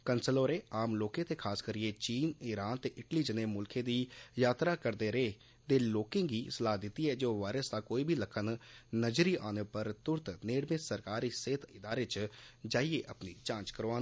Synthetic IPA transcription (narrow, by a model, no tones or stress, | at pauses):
kənsəloːɾeːaːmloːkẽːt̪eːkʰaːskəɾieːt͡ʃiːnɪɾaːnt̪eːʔɪʈliːd͡ʒəneːmʊlkʰẽːd̪iːjaːt̪ɾaːkəɾd̪eːɾeː | d̪eːloːkɪ̃ːɡiːsəlaːd̪ɪt̪ːiːɛːd͡ʒoːʋaːɪɾəsd̪aːkoːiːbʱiːləkʰənnəd͡ʒɾiːʔaːneːpəɾt̪ʊɾt̪neːɽmẽːsəɾkaːɾiːseːt̪ʰɪd̪aːɾeːt͡ʃd͡ʒaːieːʔəpniːt͡ʃãːt͡ʃkəɾoaː